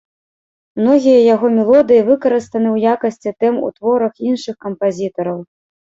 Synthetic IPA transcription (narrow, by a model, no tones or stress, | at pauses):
mnɔɣʲijɐjaɣɔmʲɛlˠɔd̪ɨjivɨkɐɾɨst̪ɐnɨwjakɐsʲt͡sʲit̪ɛmṵt̪vɔɾɐxinʂɨxkɐmpazʲit̪ɐɾɐw